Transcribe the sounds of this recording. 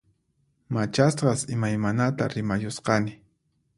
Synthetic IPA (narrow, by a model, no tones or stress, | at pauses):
mat͡ʃasɢɑsɪmajmanat̪a̰ɾɪmajʊsqɑnɪ